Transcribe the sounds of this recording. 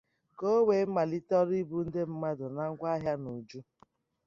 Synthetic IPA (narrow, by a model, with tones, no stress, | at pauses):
ko˦we˨˦ma˨li˦tɔ˦ɾi˦bu˦n̩˦de˦m̩˦ma˦dʊ˨na˨ŋ̩˦kʷa˦ɦja˦no˨d͡ʒu˦